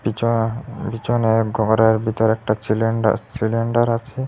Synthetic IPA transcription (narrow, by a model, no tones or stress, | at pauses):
bi | bit͡ɕoneɡʱɔɡɾaeɾbʱit̪ɔɾɛk̚ʈasileɳɖa̰siliɳɖaɾat͡ɕʰe